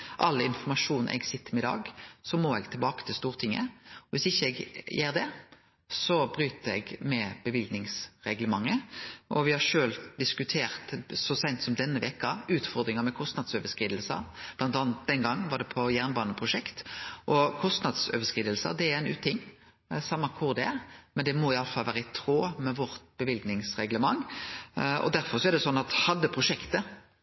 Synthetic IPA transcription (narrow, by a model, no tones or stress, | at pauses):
ʔɑlːɪnfɔmɑʂuːnʔɛ̰ɡsɪt̪ʰːəmɪd̪ɑ̰ːɡsɔmɔɛɡt̪ʰɪlbɑːkə̥t̪ʰɪlst̪uːʁt̪ʰɪŋːə̰ʋɪsɪçːəɛɡjeːʁd̪ɛ | sɔbɾyːt̪əɛ̰ɡmɛb̥əʋɪlɡ̪nɪŋsʁɛɡləmɑŋːəʔɔʋɪhɑʂøːld̪ɪskʉt̪ʰeːʁt̪sɔsæɪnt̪sɔmd̪ɛnːəʋɛkɑʉːt̪fɔɾd̪ɾɪŋəmɛkʰɔst̪nɑd̪søːʋəskʁiːd̪əlsə̰b̥lɑnt̪ɑːnət̪̚d̪ɛnɡɑŋːʋɑd̪ɛpʰɔjæʁnbɑːnəpʰɾʊʂɛkt̪ʔɔkʰɔst̪nɑd̪søːʋəskʁiːd̪əlsə̰d̪ɛæɾɛnʉːt̪ʰːɪŋː | sɑmːɑkʰʊʁd̪ɛmɛnd̪ɛmɔɪɑləfɑlʋæːɾəɪt̪ʰʁoːmɛʋɔɾt̪̚b̥əʋɪlɡnɪŋsʁɛɡləmɑŋː | ɔ̰d̪æɾfɔʁsɔæɾd̪ɛsɔnːɑt̪hɑd̪ːəpʰɾʊʂɛkt̪ə